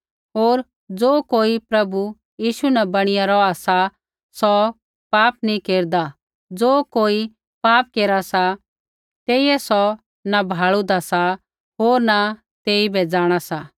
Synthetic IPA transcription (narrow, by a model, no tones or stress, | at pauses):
ɦoːɾ | d͡zoːkoːipɾɐbu | jiːʃunabɐɽ̃ɪjaɾɔasa | sɔ | paːpnĩkeːɾd̪a | d͡zoːkoːi | paːp̚keːɾasa | t̪eːiɛsɔ | nabʱaːɭud̪asa | ɦoːɾna | t̪eːibɛd͡zaːɽ̃asa